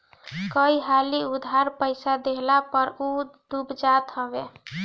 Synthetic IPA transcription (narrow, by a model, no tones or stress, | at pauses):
kəiɦaliud̪ʱɦaɾpəɪsad̪eɦlapəɾud̪̥ubd͡ʒat̪ɦəbe